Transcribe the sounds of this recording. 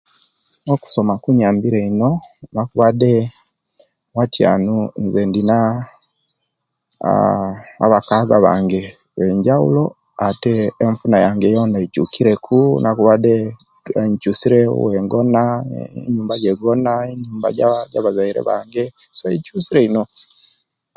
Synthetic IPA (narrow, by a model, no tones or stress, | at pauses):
noku̥so̞makuɲaːmbiɾeino̞nakuβade | watja̰ːnunzendina | βakaɡaβa̰ːŋɡe | weɲɟaṵlo̞ | ateːɱfunajaŋɡɛjɔndait͡ʃukiɾɛkʰunakuβadɛ | ɲt͡ʃusiɾɛ̰wɛŋɡɔnaɲumbaɟɛɡɔnaiɲuːmba̰ɟaɟaβazaiɾɛ̰βa̰ŋɡɛ | sɔit͡ʃusiɾɛinɔ